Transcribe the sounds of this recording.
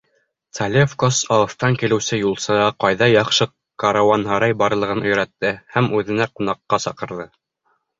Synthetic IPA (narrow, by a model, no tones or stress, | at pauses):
t̪ɐlʲefkosɑwɤ̆θt̪ɑŋkilɘ̆wsɘjulˠsɤɑqɑjðɑjɑqʃɤ | kaɾawɑnɦɑɾɑjbɑɾlˠɤ̆ʁɤnɵ̆jɾæt̪ːɘhæmʉðɘ̆næqunɑqːɑsɑqɤ̆ɾðɤ